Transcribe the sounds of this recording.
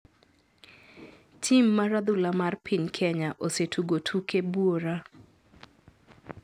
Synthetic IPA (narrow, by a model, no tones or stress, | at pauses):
tʰimːaɾad̪ʊlamarpʰɪɲkʰɛɲaʔosetʰuɡotʰukebuoɾa